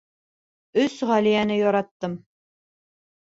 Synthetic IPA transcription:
ɵsʁælijænɘjɒɾɑt̪ːɤm

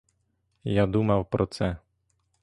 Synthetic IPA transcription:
jad̪umawpɾɔt͡sɛ

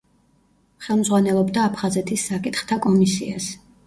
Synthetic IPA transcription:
χɛlˠmdzʁwanɛlˠɔbd̪aːpʰχazɛt̪ʰisːakʼit̪χt̪ʰakʼɔmisias

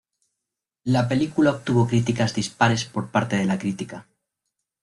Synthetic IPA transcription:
lape̞likulaop̚t̪uβo̞kɾit̪ikazðispaɾe̞spo̞ɾpaɾt̪e̞ð̞e̞lakɾit̪ika

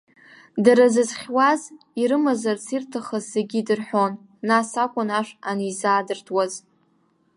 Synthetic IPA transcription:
daɾazɨzχʲwaz | iɾɨmazarsʰirtʰaχazːeɡʲidɨrħʷo̞nː | asakʷʼʊnaʂanizaːdɨrtʰwaz

